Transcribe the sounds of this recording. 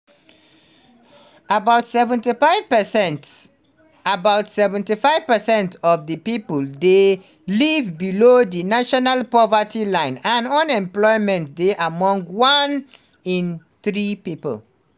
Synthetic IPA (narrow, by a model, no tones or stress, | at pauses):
abaʊtsɛvɛ̃ntifaɪvpsɛnt | abaʊtsɛvɛ̃ntifaɪv̥pəsɛ̃ntɔvdəpipəlde | livbilodinaʃɔnalpɔvatʰilãɪ̃nãnɔ̃nɛ̃mplɔɪmɛ̃nt̚deʔamɔ̃ŋɡwãn | ĩnθɹipipə̰l